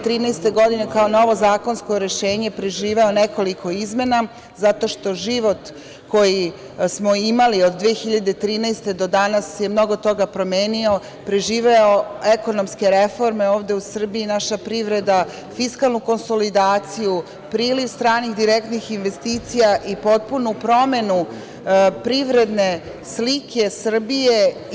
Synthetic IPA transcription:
t̪ɾiːnɛjst̪e̞ɡo̞d̪ine̞kaono̞ʋo̞zaːko̞nsko̞ɾe̞ʃeːɲe̞pɾe̞ʒiːʋe̞oneko̞likʰo̞izme̞na | zat̪o̞ʃt̪o̞ʒiʋo̞t̪ | ko̞ji | smo̞imaliod̪ːʋeːxiʎad̪et̪ɾiːnɛjst̪e̞d̪o̞d̪anasje̞mno̞ɡo̞t̪o̞ɡapɾo̞meːnio̞ | pɾe̞ʒiːʋe̞oeko̞nomske̞ɾe̞fo̞ɾme̞oːʋd̪e̞usr̩biinaʃapɾiʋɾe̞d̪a | fiskalˠnuko̞nso̞lid̪aːt̪siju | pɾiːliʋst̪ɾaːnixd̪iɾek̚t̪nixinʋe̞st̪iːt̪sijaʔipo̞t̪̚punupɾo̞me̞nu | pɾiʋɾe̞d̪ne̞ | slikʰe̞sr̩bije

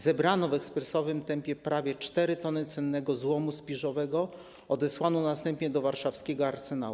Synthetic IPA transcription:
zɛbɾanɔvɛkspɾɛsɔvɘmt̪ɛmpʲjɛpɾavʲjɛt͡ʂt̪ɛɾɘt̪ɔnɘt̪sɛnːɛɡɔzwɔmuspʲiʐɔvɛɡɔ | ɔd̪ɛswanɔnast̪ɛmpɲɛd̪ɔvaɾʂafskʲɛɡɔaɾsɛna̰wu

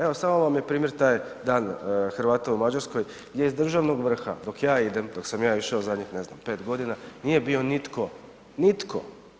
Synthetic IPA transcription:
e̞ʋo̞saːmoʋamjepɾiːmjeɾt̪aːjd̪aːnxrʋaːt̪aumad͡ʑaɾskoj | ɡd̪jeizd̪r̩ʒaʋnoɡʋr̩xa̰d̪o̞kjaːid̪e̞md̪oksamjaːiʃeozad̪ɲixne̞zna̰mpeːt̪ɡo̞d̪inanije̞bio̞nit̪ko̞ | nit̪kʰo̰

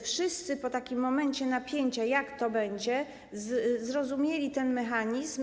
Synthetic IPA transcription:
fʂɘst̪sɘpɔt̪akʲimːɔmɛɲt͡ɕɛnapʲjeɲt͡ɕajakt̪ɔbɛɲd͡ʑɛ | zzɾɔzumʲjelʲit̪ɛnmɛxaɲizm

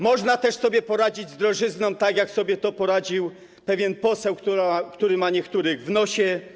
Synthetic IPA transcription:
mɔʐnat̪ɛʂsɔbʲjɛpɔɾad͡ʑid͡ʑzd̪ɾɔʐɘznɔ̃mt̪aɡjaksɔbʲjɛt̪ɔpɔɾad͡ʑiw | pɛvʲjɛnpɔsɛwkt̪uɾakt̪uɾɘmaɲɛkt̪uɾɘɣvnɔɕɛ

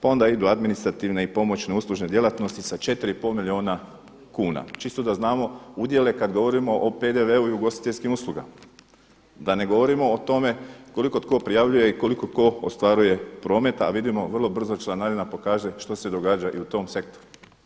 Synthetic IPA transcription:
pao̞nd̪aid̪uad̪minist̪ɾat̪iʋneipo̞mo̞t͡ʃne̞uslˠuʒne̞d̪je̞lˠat̪no̞st̪isat͡ʃe̞t̪ɾiipo̞lmilʲio̞ːna | kuːna̰t͡ʃist̪od̪aznaːmo̞ud̪je̞le̞kad̪ɡo̞ʋo̞ɾimo̞ʔope̞d̪eʋe̞uiuɡo̞st̪i̥t̪e̞ʎʲskimuslˠuɡa̰ma | d̪ane̞ɡo̞ʋo̞ɾimo̞ːt̪o̞me̞ko̞liko̞t̪ko̞pɾijaʋʎuje̞iko̞liko̞ko̞o̰st̪ʋaɾuje̞pɾo̞ːme̞t̪aa̰ʋid̪imo̞ʋr̩lˠo̞br̩zot͡ʃlˠanad̪inapo̞kaːʒe̞ʃt̪o̞se̞d̪o̞ɡaːd͡ʒaʔiut̪o̞mse̞kt̪o̞ɾu

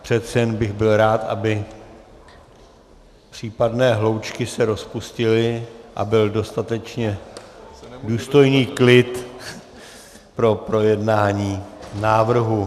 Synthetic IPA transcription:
pr̝̥ɛt̪sɛjɛnbɪɣbɪlɾaːt̪ʔa̰bɪ | pr̝̥iːpadnɛːɦlo̞wt͡ʃkɪsɛɾo̞spuscɪlɪʔa̰bɪldo̞st̪at̪ɛt͡ʃɲɛ | duːst̪o̞jniːklɪt̪ | pɾo̞pɾo̞jɛdnaːɲiːnaːvr̩ɦu

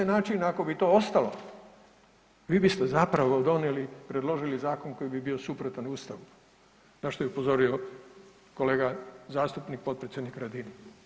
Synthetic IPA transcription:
enaːt͡ʃinako̞bit̪o̞ːo̞st̪alo̞̰ | ʋiːbist̪e̞zapɾaʋod̪o̞nelipɾe̞d̪lo̞ʒilizaːko̞nko̞jibibio̞supɾot̪anuːst̪aʋu | zaʃt̪ojupo̞zo̞ɾio̞ | ko̞le̞ːɡazaːst̪upnik̚po̞t̪̚pɾesʲjed̪nikɾad̪ini

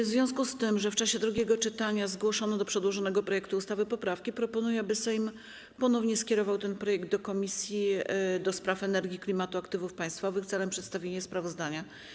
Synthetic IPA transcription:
vzvʲjɔ̃skust̪ɘmʐɛft͡ʂaɕɛd̪ɾuɡʲɛɡɔt͡ʂɘt̪aɲazɡwɔʂɔnɔd̪ɔpʂɛd̪wɔʐɔnɛɡɔpɾɔjɛkt̪uust̪avɘpɔpɾafkʲipɾɔpɔnujɛabɘsɛjm | pɔnɔvɲɛskʲɛɾɔvawt̪ɛnpɾɔjɛɡ̚d̪̚d̪ɔkɔmʲisʲjid̪ɔspɾafɛnɛɾɡʲiklʲimat̪uakt̪ɘvufpaj̃st̪fɔvɘxt̪sɛlɛmpʂɛt̪st̪avʲjeɲɛspɾavɔzd̪aɲa

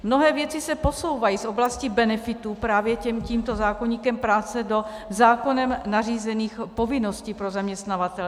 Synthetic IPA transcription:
mno̞ɦɛːvjɛt͡sɪsɛpo̞so̞wvajiːsʔo̞blascibɛnɛfɪt̪upɾaːvjɛcɛmciːmt̪o̞zaːkoɲiːkɛmpɾaːt͡sɛdo̞ | zaːko̞nɛmnariːzɛniːxpo̞vɪno̞sciːpɾo̞zamɲɛst̪navat̪ɛlɛ

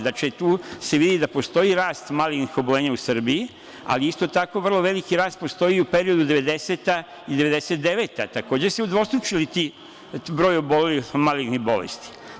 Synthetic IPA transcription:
d̪at͡ʃet̪uːseʋid̪id̪apo̞st̪o̞iɾaːst̪malinixobole̞ːɲausr̩bii | a̰liist̪o̞t̪ako̞ʋr̩lˠo̞ʋe̞likiɾaːst̪̚po̞st̪o̞iupe̞ɾio̞d̪ud̪e̞ʋe̞d̪e̞seːt̪a | id̪eʋe̞d̪eset̪̚d̪e̞ʋe̞ːt̪a̰t̪ako̞ːd͡ʑeseud̪ʋo̞st̪ɾut͡ʃilit̪iː | bɾo̞ːjo̞bo̞lilimalinibo̞lḛst̪i̥

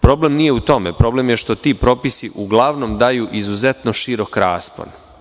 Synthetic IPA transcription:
pɾo̞ble̞mnije̞ut̪o̞me̞pɾo̞blemjeʃt̪o̞t̪iːpɾo̞pisiʔuɡlˠaʋno̞md̪ajuːʔizuze̞t̪no̞ʃiɾo̞kɾaːspo̰n

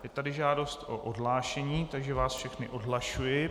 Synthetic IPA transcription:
jɛt̪adɪʒaːdo̞st̪ʔo̰ʔodɦlaːʃɛɲiːt̪aɡʒɛvaːsfʃɛxnɪʔodɦlaʃujɪ

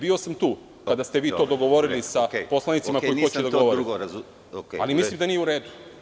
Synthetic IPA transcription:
biːo̞samt̪uː | kad̪ast̪e̞ʋiːt̪o̞ːd̪o̞ɡo̞ʋo̞ɾilisapo̞slˠanit̪imakojiot͡ɕed̪oɡ̪o̞ʋoit̪ɾ | alimislimd̪anijeuɾe̞ːd̪u̥

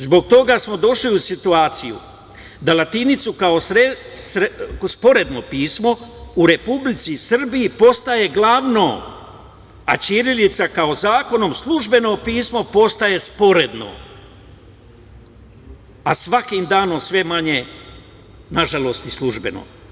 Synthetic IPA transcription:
zbo̞ɡ̚t̪o̞ɡasmo̞d̪o̞ʃliusit̪uaːt̪sijṵ | d̪alat̪init̪sukao̞sɾesɾspo̞ɾe̞d̪no̞piːsmo̞uɾe̞publit̪sisr̩bijipo̞st̪aje̞ɡlˠaʋno | a̰t͡ʃiɾilit̪sakaozaːko̞no̞mslˠuʒbe̞no̞piːsmo̞po̞st̪aje̞spo̞ɾe̞d̪no̰ | asʋakimd̪aːnomsʋe̞maɲe̞ | naʒalo̞st̪islˠuʒbe̞̰no̰

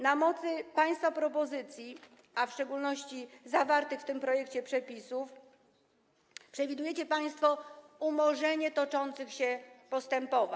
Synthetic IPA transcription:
namɔt̪sɘpaj̃st̪fapɾɔpɔzɘt̪sʲji | afʂt͡ʂɛɡulnɔɕt͡ɕizavaɾt̪ɘxft̪ɘmpɾɔjɛkt͡ɕɛpʂɛpʲisuf | pʂɛvʲid̪ujɛt͡ɕɛpaj̃st̪fɔumɔʐɛɲɛt̪ɔt͡ʂɔnt̪sɘxɕɛpɔst̪ɛmpɔva

